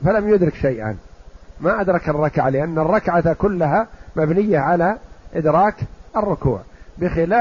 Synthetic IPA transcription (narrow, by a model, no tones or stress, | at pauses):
falamjʊd̪ɾɪkʃajʔa̰nmaʔad̪ɾˤɑkɪrˤːɑkʕalɪʔanːarˤːɑkʕat̪kʊlːaɦamabnɪjːaʕalaʔɪd̪ɾˤɑːkʔɪrːʊkṵːʕbɪxɪlaː